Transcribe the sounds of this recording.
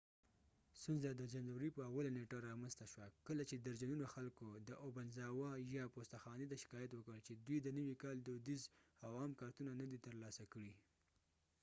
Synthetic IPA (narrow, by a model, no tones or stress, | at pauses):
st̪unzad̪əd͡ʒanzawɾipəawalaneʈaɾɑmanst̪aʃwakəlat͡ʃed̪əɾd͡ʒanunoxalkod̪əʔobanzɑwɑjɑpost̪axɑned̪aʃɪ̥kɑjat̪wəkəlt͡ʃed̪wijd̪ənəwikɑld̪əd̪izawɑmkɑɾt̪unanad̪it̪əɾlɑsakəɽi